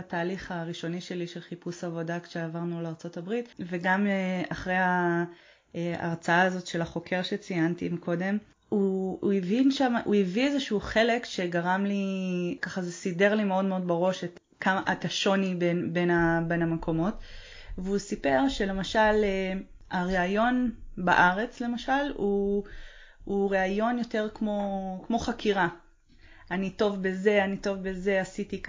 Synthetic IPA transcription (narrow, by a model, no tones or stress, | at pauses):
at̪aːliχaʁiʃo̞niʃe̞liʃelχipusavo̞dakʃeavaʁnuleaʁt͡so̞tabʁitveɡameaχʁe̞ja | a̰ʁt͡saaːzo̞tʃe̞laχo̞kʰe̞ʁʃet͡sijantimikʰo̞de̞m | uːivinʃamaʔuiviezeʃuuχe̞le̞kʃe̞ɡaʁamlikaχazeside̞ʁlimeo̞dmeo̞d̚beʁo̞ʃet | kʰamaʔataʃo̞nibenbenabe̞nhamekʰo̞mo̞t | veusipe̞ʁʃe̞le̞maʃale | aʁeajo̞nba̰ʔaʁe̞t͡sle̞maʃalu | uʁeajo̞njo̞te̞ʁkmo̞kmo̞χakʰiʁa | anito̞vbeze̞anito̞vbeze̞asiti